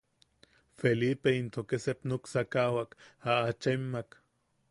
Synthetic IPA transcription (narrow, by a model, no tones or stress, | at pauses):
felipeint̪okesepnoksakawakaat͡ʃemːak